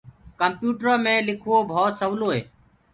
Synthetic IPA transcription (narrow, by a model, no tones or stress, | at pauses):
kəmpjuːʈɾəmẽːlɪkʰuoːbʱoːt̪səʋloːɦeː